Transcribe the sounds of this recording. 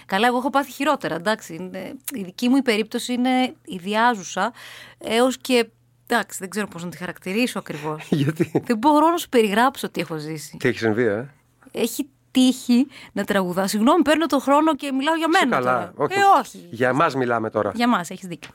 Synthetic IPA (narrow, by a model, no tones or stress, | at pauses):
kɐlɐe̞ɣoexo̞pɐθi̥çiɾo̞t̪e̞ɾɐd̪ɐksiieiðicimuipe̞ɾip̚t̪o̞siine̞iðiɐzusɐe̞osce̞ | d̪ɐksiðe̞ɡze̞ɾo̞po̞znɐt̪ixɐɾɐkt̪iɾisoɐkɾivo̞sʝɐt̪iðebo̞ɾo̞nɐsu̥pe̞ɾiɣɾɐpsoot̪ie̞xo̞zisit̪ieçi̥siɱvie | e̞çi | t̪içinɐt̪ɾɐɣuðɐsiɣno̞mipe̞ɾno̞t̪oxɾo̞no̞ce̞milɐoʝɐme̞nɐɐlɐ̰oçeoçiʝɐmɐzmilɐmet̪o̞ɾɐ̰ʝɐmɐseçizðico